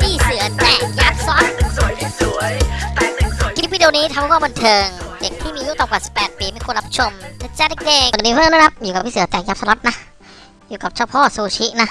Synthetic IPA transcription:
t̪ʰiː˥˩sɯ˨˩˦ɐt̪ɛ˧˩jaː˦˥p̚sɔː˦˥n˧ | ki˧˦˥wiː˧di˧niː˦˥t̪ʰa˧mhkwaː˥˩bə˧nt̪ʰɤː˧ŋde˨˩k̚t̪ʰiː˥˩miː˧ju˦˥t̪ɔː˧˩ŋkaː˨˩si˨˩pːɛː˨˩t̪̚piː˧ma˧˥˨nku˧nlɾa˦˥pʰa˧˩t͡ɕʰo˧mt̪a˧˩t͡ɕaː˧˥n˧keː˧˩˨diː˧wʰna˦˥kʰa˦˥p̚juː˨˩ka˨˩p̚ʰiː˧˥˨sɯ˩˦ɐt͡ɕaː˧˩k̚jaː˦˥p̚sa˧lɔ˦˥t̪̚na˦˥ʔ | juː˨˩ka˨˩p̚t͡ɕʰɔː˧˩pʰɔː˥˩suː˧t͡ɕʰi˦˥ʔna˦˥ʔ

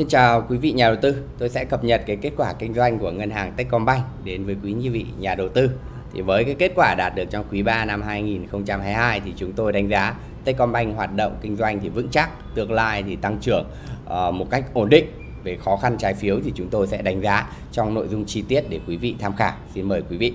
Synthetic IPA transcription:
si˧nt͡ɕaː˨˩wkwi˨˦vḭ˧˨ɲaː˨˩ɗə˨˩wt̪ɨ˧t̪o˧jsɛ̰˧˥kə˨˩p̚ɲə˨˩t̚kaː˨˦jke˦˥t̚kwaː˧˩kï˧ŋ̟zwa˧jŋ̟ku˧˩əŋə˧nɦaː˨˩ŋt̪ə˦˥k̟̚kɔ˧nɓa˧jŋ̟ɗe˨˦nvəː˨˦jkwi˨˦ɲɨ˧vḭ˧˨ɲaː˨˩ɗə˨˩wt̪ɨ˧ | t̪ʰi˨˩vəː˨˦jkaː˨˦jke˦˥t̚kwaː˧˩ɗaː˨˩t̚ɗɨ˨˩ək̚t͡ɕɔ˧ŋ͡mkwi˨˦ɓaː˧na˧mɦaː˧jŋi˨˩nxə˧wŋ͡mt͡ɕa˧mɦaː˧jɦaː˧jt̪ʰi˨˩t͡ɕʊ˨˦ŋ͡mt̪o˧jɗa˨˦jŋ̟zaː˨˦ | t̪e˦˥t̚kɔ˧nɓa˧jŋ̟ɦwaː˨˩t̚ɗə̰˧˨wŋ͡mkï˧ŋ̟zwa˧jŋ̟t̪ʰi˨˩vɨ̰˧˥ŋt͡ɕa˦˥k̚t̪ɨ˧˩əŋ̚la̰ː˧jt̪ʰi˨˩t̪a˧ŋt͡ɕɨ˧˩əŋː˨˩ | mo˨˩t̚ka˦˥jk̚ʔo˧˩nɗḭ̈˧˨ŋ̟ | ve˨˩xɔ˨˦xa˧nt͡ɕaː˨˦jfi˨˦əwt̪ʰi˨˩t͡ɕʊ˨˦ŋ͡mt̪o˧jsɛ̰˧˥ɗa˨˦ŋ̟zaː˨˦ | t͡ɕɔ˧wŋ͡mno̰˧˨jzʊ˧ŋ͡mt͡ɕi˧t̪i˦˥ət̚ɗe˧˩kwi˨˦vḭ˧˨t̪ʰaː˧mxaː˧˩si˧nməː˨˩jkwi˨˦vḭ˧˨

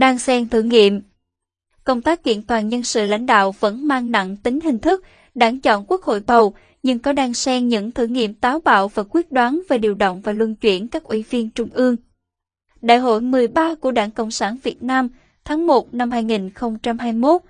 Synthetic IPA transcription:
ɗaː˧ŋsɛ˧mt̪ʰɨ˧˩ŋḭ˧˨əm | kə˧wŋ͡mt̪aː˦˥k̚kḭ˧˨ənt̪waː˨˩nɲə˧nsɨ̰˧˨la̰˧˥jŋ̟ɗa̰ː˧˨wvə̰˧˥nmaː˧ŋna̰˧˨ŋt̪ï˨˦ŋ̟hï˨˩ŋ̟t̪ʰɨ˦˥k̚ | ɗaː˧˥˩ŋt͡ɕɔ̰˧˨nkwu˦˥ək̚ho̰˧˨jɓə˨˩w | ɲɨ˧ŋkɔ˨˦ɗaː˧ŋsɛ˧mɲɨ̰˧˥ŋt̪ʰɨ˧˩ŋḭ˧˨əmt̪aː˨˦wɓa̰ː˧˨wvaː˨˩kwi˦˥ət̚ɗwaː˨˦nve˨˩ɗi˨˩əwɗə̰˧˨wŋ͡mvaː˨˩lwə˧nt͡ɕwi˧˩ənkaː˦˥k̚ʔwi˧˩vi˧ənt͡ɕʊ˧ŋ͡mʔɨ˧əŋ | ɗa̰ː˧˨jɦo̰˧˨jmɨ˨˩əjɓaː˧ku˧˩əɗaː˧˩ŋkə̰˧˨wŋ͡msaː˧˩nvi˨˩ət̚naː˧m | t̪ʰaː˨˦ŋmo˨˩t̚na˧mhaː˧jŋi˨˩nxə˧wŋ͡mt͡ɕa˧mhaː˧jmo˦˥t̚

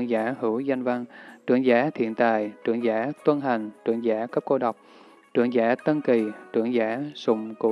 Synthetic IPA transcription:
əŋzaː˧˦hɨ˧˦wza˧jŋ̟va˧ŋt͡ɕɨ˧˩əŋzaː˨˦t̪ʰḭ˧˨ənt̪a̰ː˨jt͡ɕɨ˧˩əŋzaː˧˦t̪wə˧nɦa˨˩jŋ̟t͡ɕɨ˧˩əŋzaː˧˥kə˦˥p̚ko˧ɗa˨˩wk͡p̚ | t͡ɕɨ˧˩əŋzaː˧˦t̪ə˧nki˨˩t͡ɕɨ˧˩əŋzaː˧˦sʊ˧˩ŋ͡mku˧˩

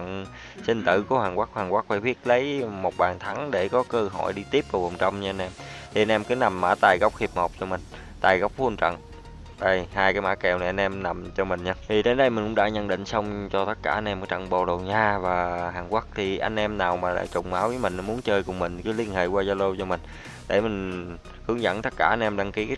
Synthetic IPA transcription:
ŋ | sï˧ŋ̟t̪ɨ̰˧˩ku˧˩əhaː˨˩ŋkwaː˦˥k̚haː˨˩ŋkwaː˦˥k̚faː˧˩ɓi˦˥ət̚lə˨˦jmo˨˩t̚ɓaː˨˩ŋt̪ʰa˨˦ŋɗe˧˩kɔ˨˦kəː˧ɦɔ̰˧˨jɗi˧t̪i˦˥əp̚kə˨˧˩ə˨˩wŋ͡mt͡ɕə˧wŋ͡mɲɨ˧a˧jn̟ʔɛ˧mt̪ʰi˨˩a˧jnʔɛ˧mkɨ˨˦na˨˩mːaː˧˩t̪aː˨˩jɣə˦˥wk͡p̚hi˨˩əp̚ŋɔ˨˩wk͡p̚t͡ɕɔ˧mï˨˩ŋ̟ | t̪aː˨˩jɣa˦˥wk͡p̚xu˧ənt͡ɕə̰˧˨ŋ | ɗə˧˩jhaː˧jkaː˨˦jmaː˧˦˥kɛ˨˩wna˨˩jʔa˧n̟ʔɛ˧mna˨˩mt͡ɕɔ˧mï˨˩ŋ̟ɲaː˧t̪ʰi˨˩ɗe˨˦nɗə˧jmï˨˩kʊ̰˧˥˦ŋ͡mɗa̰ː˧˥ɲə˧nɗḭ̈˧˨ŋ̟sə˧wŋ͡mt͡ɕɔ˧t̪ə˦˥t̚kaː˧˩ʔa˧n̟ʔɛ˧mkaː˨˦t͡ɕə̰˧˨ŋɓo˨˩ɗo˨˩wɲaː˧vaː˨˩ɦaː˨˩ŋkwa˦˥k̚t̪ʰi˨˩ʔa˧jŋ̟ʔɛ˧mnaː˨˩wmaː˨˩la̰ː˨˧˩t͡ɕʊ˧˩ŋ͡mmaː˨˦wvəː˨˦jmï˨˩ŋnɔ˨˦mu˨˦ənt͡ɕəː˧jkʊ˨˩ŋ͡mmï˨˩ŋ̟kɨː˨˦li˧ənhḛ˧˨kwaː˧zaː˧lo˧t͡ɕɔ˧mï˨˩ŋ̟ | ɗe˧˩mï˨˩ŋ̟ | hɨ˨˦əŋzə̰˧˥nt̪ə˦˥t̚kaː˧˩ʔa˧n̟ʔɛ˧mɗa˧ŋki˨˦kː

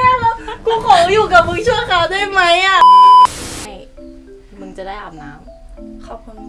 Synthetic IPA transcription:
a˥˩˧kʰuː˧˩kʰɔː˨˦juː˨˩ka˨˩p̚mɯ˧ŋt͡ɕʰu˥˩əkʰaː˨˦wdu˥˩˨jma˦˥jʔa˧˩ | ma˥˩j | mɯ˧ŋt͡ɕa˨˩daː˥˩jʔa˨˩na̰ː˦˥m | kʰɔː˥˩kʰu˧n

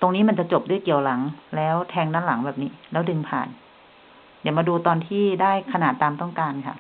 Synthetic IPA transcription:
t̪o˧ŋniː˦˥ma˧nt͡ɕa˨˩t͡ɕo˨˩p̚du˥˩˨jki˨˩əwla˩˦ŋlɛː˦˥wt̪ʰɛː˧ŋnaː˥˩nla˩˦ŋbɛː˨˩p̚niː˦˥lɛː˦˥wdɯ˧ŋpʰa̰ː˨˩n | di˩˦wmaː˧duː˧t̪ɔː˧nt̪ʰiː˥˩daː˥˩jkʰa˧naː˨˩t̪ːaː˧mt̪ɔ˥˩ŋkaː˧nkʰa̰˥˩

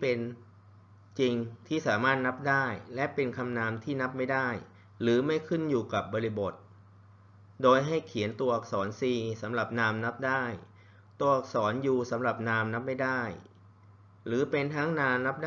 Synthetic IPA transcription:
pe˧n | t͡ɕi˧ŋt̪ʰiː˥˩saː˩˦maː˥˩t̪̚na˦˥p̚daː˥˩jlɛ˦˥ʔpe˧nkʰa˧mnaː˧mt̪ʰiː˥˩na˦˥p̚ma˥˩jdaː˥˩j | ɾɯː˩˦ma˥˩jkʰɯ˥˩njuː˨˩ka˨˩p̚bɔː˧ɾi˦˥bo˨˩t̪̚ | doː˧jɦa˥˩jkʰi˩˦ənt̪u˧ɐʔa˨˩k̚sɔː˩˦nsiː˧sa˩˦mɾa˨˩p̚naː˧mna˦˥p̚daː˥˩j | t̪u˧˥ɐʔa˨˩k̚sɔː˩˦njuː˨˩sa˩˦mɾa˨˩p̚naː˧mna˦˥p̚ma˥˩jdaː˥˩j | ɾɯː˩˦pe˧nt̪ʰa˦˥ŋnaː˧mna˦˥p̚d

